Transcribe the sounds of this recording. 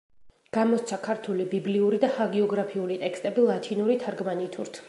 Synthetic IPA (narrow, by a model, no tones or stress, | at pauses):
ɡ̥amɔt̪sʰakʰaɾt̪ʰulibibliuɾid̪ahaɡiɔɡɾapʰiulit̪ʼɛkst̪ʼɛbilˠat̪ʰinuɾit̪ʰaɾɡmanit̪ʰuɾt̪ʰ